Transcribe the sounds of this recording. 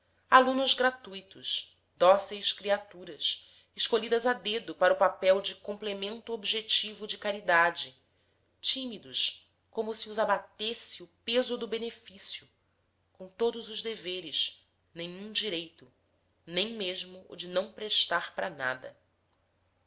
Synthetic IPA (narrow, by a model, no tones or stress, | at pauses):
alũnʊzɡɾat̪ujt̪ʊʃ | d̪ɔsejʃkɾiat̪uɾɐs | ɪʃkoʎid̪ɐzad̪ed̪ʊpaɾʊpapɛwd͡ʒɪkõmplemẽnt̪ʊobiʒet͡ʃivʊd͡ʒɪkaɾid̪ad͡ʒɪ | t͡ʃimid̪ʊʃ | kõmʊsiʊzabat̪esɪʊpezʊd̪ʊbenefisjʊ | kõw̃t̪od̪ʊzʊʒd̪eveɾɪʃ | nẽj̃ũd͡ʒiɾejt̪ʊ | nẽj̃meʒmʊʔʊ̰d͡ʒɪnɐ̃w̃pɾeʃt̪aɾpɾana̰d̪ɐ̰